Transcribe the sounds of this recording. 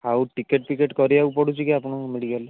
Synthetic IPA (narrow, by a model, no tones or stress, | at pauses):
awʈikeʈ̚pikeʈkɔɾijaupɔɽut͡ʃʰikiapuɳ̃ɔmeɖikal